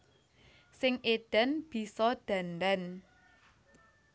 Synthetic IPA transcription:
sɪŋʔed̪̥ə̤nb̥i̤sɔd̪̥a̤nd̪an

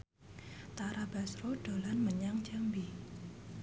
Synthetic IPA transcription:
t̪aɾabasroɖ̥o̤lanməɲaŋd͡ʒambi

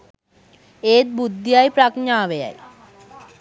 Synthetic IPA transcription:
eːt̪̚bud̪ːijajpɾakɲaːʋeja̰j

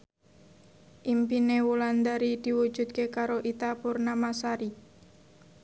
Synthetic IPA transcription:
ʔimpinewuland̪aɾid̪̥i̤wu̥ʒ̥ṳt̪̚kekaɾoʔit̪apurnamasaɾi

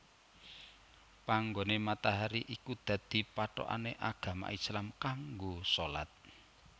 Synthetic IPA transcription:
paŋɡonemat̪aɦaɾiʔikud̪̥a̤d̪̥i̤paʈɔ̰ʔa̰neʔaɡ̥ä̤ma̰ʔislamkaŋɡosola̰t̪̚

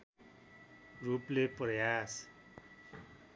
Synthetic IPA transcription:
rupleprʌjas

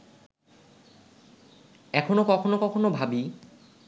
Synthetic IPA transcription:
ɛkʰonokɔkʰonokɔkʰonobʱabi

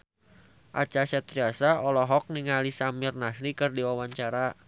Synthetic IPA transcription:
ʔa̰t͡ʃasɛt̪ɾiasaɔlɔɦɔk̚niŋalisamirnasɾikɨrdiwawaɲt͡ʃaɾa

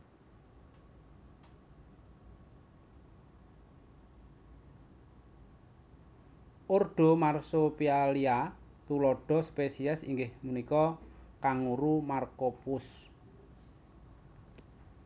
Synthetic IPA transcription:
ʔorɖ̥o̤marsopialiat̪ulɔɖ̥ɔ̤spesiasḭŋɡɪhmunikɔkaŋuɾumarkopʊs

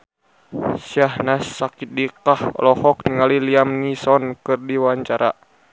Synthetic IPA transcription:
siahnasːakit̪̚dikahɔ̰lɔhɔk̚niŋaliliamnisɔnkɨrdiwaɲt͡ʃaɾa

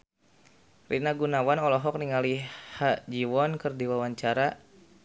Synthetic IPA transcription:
rḭnaɡunawanɔlɔɦɔk̚niŋalihaʔd͡ʒiwɔnkərdiwawaɲt͡ʃaɾa

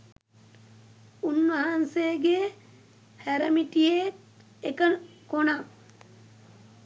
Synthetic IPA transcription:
unʋaɦanseːɡe | hæɾɐmiʈije | ekənkonaŋ

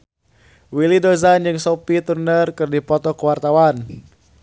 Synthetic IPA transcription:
wilidozand͡ʒɨŋsɔpit̪urnərkɨrdipɔt̪ɔkəwart̪awan

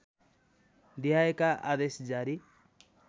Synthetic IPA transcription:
d̪ijaekaʔad̪esd͡zaɾi

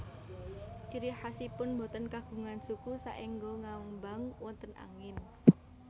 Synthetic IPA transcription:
t͡ʃiɾiħasipʊnmbot̪ənkaɡ̥ṳŋansukusaʔeŋɡoŋauŋbaŋwɔnt̪əna̰ŋɪn

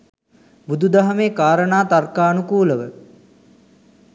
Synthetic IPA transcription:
bud̪ud̪aɦɐmeːkaːɾənaːt̪arkaːnukuːləʋə

